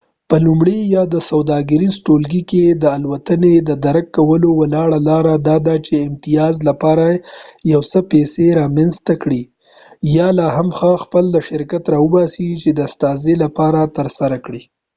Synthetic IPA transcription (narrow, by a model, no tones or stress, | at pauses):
pəlumɽejɑd̪əsawd̪ɑɡəɾizʈolɡiked̪əalwat̪əned̪əd̪aɾakːawəlowalɑɽalɑɾad̪ɑd̪at͡ʃeɪmt̪ijɑzlapɑɾajawsəpeseɾɑmanzt̪akɽi | jɑlɑɦamxəxpəld̪əʃɪɾkat̪ɾɑəbɑsit͡ʃed̪əast̪ɑzelapɑɾat̪əɾsaɾakɽi